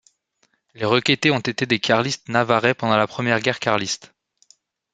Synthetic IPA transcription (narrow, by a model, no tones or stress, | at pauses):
leʁəkʲet̪eɔ̃t̪et̪ed̪ekʲʰaʁlist̪navaʁepɑ̃d̪ɑ̃lapχəmjɛʁɡʲɛʁkʲaʁlist̪